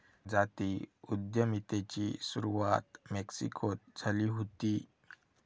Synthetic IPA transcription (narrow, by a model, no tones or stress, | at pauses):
d͡zat̪iud̪jəmit̪et͡ɕisuɾuʋat̪meksḭkʰot̪̚d͡zʱaliːɦot̪i